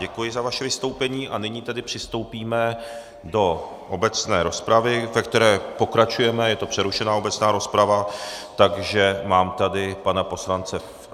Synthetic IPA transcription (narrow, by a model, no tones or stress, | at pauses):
ɛkujɪzavaʃɛvɪst̪o̞wpɛɲiːʔanɪɲiːt̪adɪpr̝̥ɪst̪o̞wpiːmɛ | do̞ | ʔobɛt͡snɛːɾo̞spɾavɪvɛk̚t̪ɛɾɛːpo̞kɾat͡ʃujɛmɛjɛt̪o̞pr̥ɛɾuʃɛnaːo̞bɛt͡snaːɾo̞spɾavat̪aɡʒɛmaːmt̪adɪpanapo̞slant͡sɛ